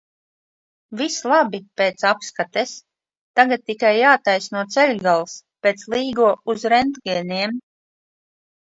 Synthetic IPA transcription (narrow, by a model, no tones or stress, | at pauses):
vislˠabipeːt̪sapskat̪ɛs | t̪aɡat̪̚ːikajːaːt̪ajsnuɔt̪sɛlʲɡalˠspeːt̪slˠiːɡuɔuzɾɛnd̪ɡɛːniɛm